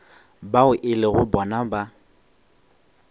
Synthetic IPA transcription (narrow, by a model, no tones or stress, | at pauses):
baʊʔɪlɪɣʊbɔnaba